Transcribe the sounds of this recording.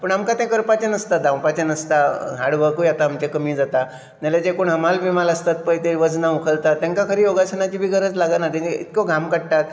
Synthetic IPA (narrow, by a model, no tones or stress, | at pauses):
pəɳamkat̪ɛ̃kəɾpat͡ɕẽnəst̪ad̪ãwpat͡ɕenəst̪aɦaɽʋəkujat̪aːmt͡ɕekəmiːd͡zat̪a | naled͡ʑekoɳɦəmalʋimaləst̪at̪̚pəjt̪eʋəd͡znaukʰəlt̪at̪ːjãŋkakʰəɾiːjoɡasənat͡ɕiːbʱiːɡʱəɾəd͡zlaɡanat̪ĩiḭt̪kɔɡʱamkəɽʈ̪at̪̚